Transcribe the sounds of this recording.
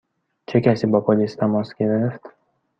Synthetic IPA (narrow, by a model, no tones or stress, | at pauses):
t͡ʃʰe̞cæsiːbɒpʰoliːst̪ʰæmɒsɡ̥e̞ɾeft̪